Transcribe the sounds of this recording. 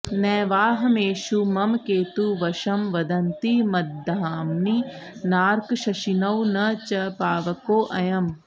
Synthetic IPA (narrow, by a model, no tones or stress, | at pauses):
nɛːʋaːɦɐmeːʃumɐmkeːt̪uʋɐʃɐmʋɐd̪ɐnt̪imɐdd̪ʱaːmninaːɾkʃɐʃinɐwnɐt͡ʃɐpaːʋɐkoːʔɐjɐm